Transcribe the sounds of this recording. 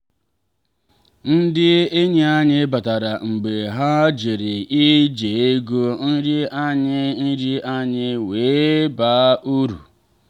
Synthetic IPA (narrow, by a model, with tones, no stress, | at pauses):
n̩˦dɪ˦e˦ɲe˦a˦ɲɪ˦ba˨ta˨ɾa˨ŋ͡m̩˨ɡ͡be˨ɦa˦d͡ʒi˨ɾɪ˨ʔi˦d͡ʒe˨e˦ɡo˦n̩˦ɾɪ˦ʔa˦ɲɪ˦n̩˦ɾɪ˦ʔa˦ɲɪ˦weː˨˦ba˦u˦ɾṵ˨